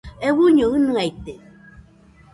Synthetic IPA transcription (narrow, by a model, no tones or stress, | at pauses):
ewuɲoɯnɨajt̪e